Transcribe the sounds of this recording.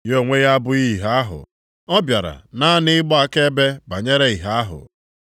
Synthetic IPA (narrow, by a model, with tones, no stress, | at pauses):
jo˦˨ŋʷe˦ɣa˦bʊ˦i˦˨ɦa˦ɦʊ̰˨ | ɔ˦bja˨ɾa̰˨na˦nɪ˦ɡ͡bɔ˦a˨ke˦be˦ba˨ɲe˦ɾe˦i˨ɦa˦a˦ɦʊ̰˨